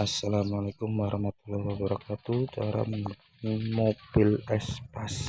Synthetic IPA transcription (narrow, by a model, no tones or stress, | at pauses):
asːalamalakʊmwaɾɑhmat̪ulːɔhwabaɾakat̪ut͡ʃaɾa̰məi | nimob̥ilɛspas